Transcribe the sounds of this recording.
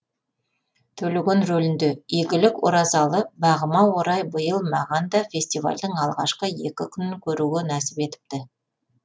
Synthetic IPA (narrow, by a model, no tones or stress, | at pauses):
t̪ʰɵlɪɡʲenɾɵlɪnd̪e̞iɡʲɪlɪkwo̰ɾɑzɑlˠəbɑʁəmɑwo̞ɾɑjbəjəlˠmɑʁɑnd̪ɑfʲe̞sʲt̪iva̰lʲd̪əɴɑlˠʁɑ̰ʃqəje̞̰kʲɪkʲʰʏnɪŋkʲʰɵɾuɡʲenæsɪ̥pe̞t̪ɪ̥p̚t̪ɪ